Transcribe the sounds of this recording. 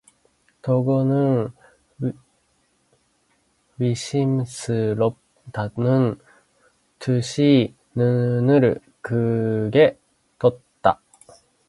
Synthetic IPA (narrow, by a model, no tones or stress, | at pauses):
t̪o̞ɡonɯ̟ŋ | wiɕimsɨɾo | t̪anɯn | t̪ʰɯɕi | nɯnɯ̟ɾɯ̟̰ | kɯɡe̞ | t̪ot̪ːa̰